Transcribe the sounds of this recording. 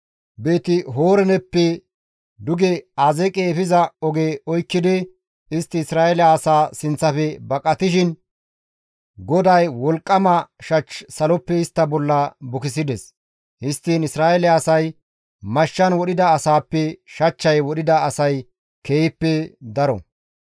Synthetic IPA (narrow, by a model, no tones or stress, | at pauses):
beːt̪ɪɦoːɾɛnɛpːɛ | d̪ʊɡɛazɛkʼeːfɪzɐɔɡeːɔjkːɪd̪ɪ | ɪst̪ːɪːsɾaːʔɛlɐːsaːsɪnt͡sːɐfɛbɐkʼːɐt̪ɪʃɪn | ɡɔd̪ɐjwɔlkʼːɐmɐʃɐt͡ʃsɐlɔpːɛɪst̪ːɐbɔlːɐbʊkɪs̬ɪd̪ɛs | hɪst̪ːiːnɪsɾaːʔɛlɛːsɐj | mɐʃːɐnwɔɗɪd̪ɐːsaːpːɛʃɐt͡ʃːɐjwɔɗɪd̪ɐːsɐj | kʰeːjpːɛd̪ɐɾɔ̰